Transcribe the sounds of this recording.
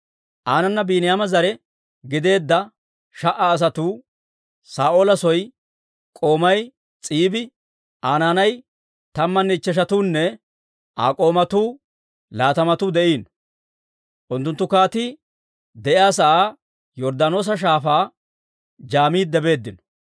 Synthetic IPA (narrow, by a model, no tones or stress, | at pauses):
ʔaːnɐnːɐbiːnɪjaːmɐzɐɾɛ | ɡɪd̪e̞ːd̪ːɐ | ʃɐʔaːs̬ɐt̪uː | saːʔoːlɐsɔj | kʼo̞ːmɐj | t͡sʼiːbɪ | ʔaːnaːnɐj | t̪ɐmːɐnːɛt͡ʃːɛʃ̬ɐt̪uːnːɛ | ʔa̰ːkʼo̞ːmɐt̪uː | laːt̪ɐmɐt̪uːd̪ɛʔiːn | ʔʊnt̪ːʊnt̪ːʊkaːt̪ɪ | d̪ɛʔɪaːsɐʔaː | jɔɾd̪aːno̞ːs̬ɐʃ̬aːfaː | d͡ʒaːmiːd̪ɛbe̞ːd̪ːɪnɔ̥